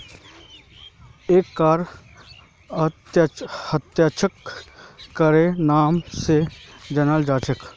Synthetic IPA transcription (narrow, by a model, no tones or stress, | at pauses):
eːkːaːɾ | hət̪jaːt͡ʃʰəkː | əɾẽnaːmsed͡ʒənald͡ʒaːt͡ʃʰək